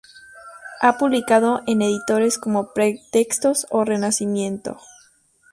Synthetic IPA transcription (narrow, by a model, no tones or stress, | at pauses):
apuβlikað̞o̞ʔe̞ne̞ðit̪o̞ɾe̞sko̞mo̞pɾet̪e̞kst̪o̞sore̞nasimjẽ̞nt̪o̞̰